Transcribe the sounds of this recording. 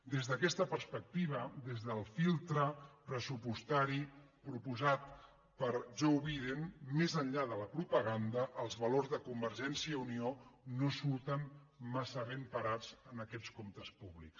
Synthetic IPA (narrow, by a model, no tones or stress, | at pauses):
d̪ezðəːkɛst̪əpəɾspək̚t̪iβ̞əd̪ezðəlˠfilˠt̪ɾəpɾəsupust̪aɾi | pɾupuzat̪ | pəɾʒowβajðenmezəɲʎaðələpɾupəɣ̞and̪əʔːlˠzβəloɾzðəkumbəɾʒɛnsiəunionosuɾt̪ən | masəβempəɾad͡zənəkɛt͡skomt̪əspuβliks